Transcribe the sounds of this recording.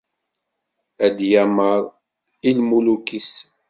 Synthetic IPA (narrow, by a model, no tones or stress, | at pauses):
æd̪jæməɾˤ | ilmulukis